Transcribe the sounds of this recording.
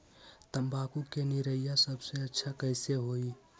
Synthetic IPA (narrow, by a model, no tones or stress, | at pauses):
t̪əmbakukeniɾəjjasəbseətːʃʰakəɪseɦoi